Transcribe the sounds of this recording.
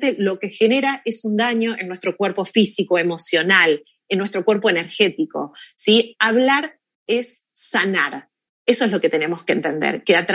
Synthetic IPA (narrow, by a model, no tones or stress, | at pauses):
t̪elo̞ke̞xene̞ɾaʔesund̪aɲo̞ʔenːwe̞st̪ɾo̞kweɾpo̞fisikoemo̞sjo̞nal | enːwest̪ɾo̞kwe̞ɾpo̞eneɾxe̞t̪iko̞̰siaβ̞laɾ | esː | anaɾ | eso̞ezlo̞ket̪ene̞mo̞skent̪e̞nd̪ḛɾkeat̪